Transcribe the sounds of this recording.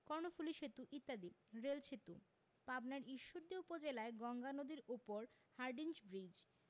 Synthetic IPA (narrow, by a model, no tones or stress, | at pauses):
kɔɾnofuliʃet̪uʔit̪ːad̪iɾelt͡ɕʰet̪u | pabnaɾiʃːoɾd̪iupod͡ʑelaeɡɔŋɡanod̪iɾupoɾ | haɾɖind͡ʑbɾid͡ʑ